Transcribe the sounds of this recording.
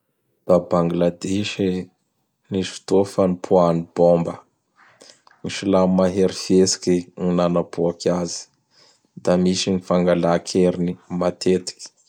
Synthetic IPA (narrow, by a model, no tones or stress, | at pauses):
d̪̥abaŋɡilad̪eʃi | niʃi̥t̪ofənipʰuanibombə | niʃilamaɦeɾifesi̥kininanapʰuakʰazi̥ | d̪amiʃinifaŋɡalakʰeɾinimat̪ʰet̪i̥kʲi̥